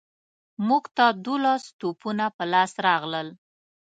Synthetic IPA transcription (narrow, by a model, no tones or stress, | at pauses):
muɡt̪ad̪ulɑst̪upunapəlɑsɾɑɣləl